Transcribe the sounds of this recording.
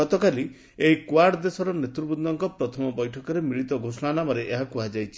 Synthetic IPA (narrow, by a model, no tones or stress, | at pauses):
ɔt̪ɔkali | eikwaɽd̪esɔɾɔnet̪ɾubud̪d̪ɔŋkɔpɾɔt̪ʰɔmɔbɔjʈʰɔkɔɾemiɭit̪ɔɡʱosɔɽanamɔɾeʔeɦakuɦad͡ʒajt͡ʃʰi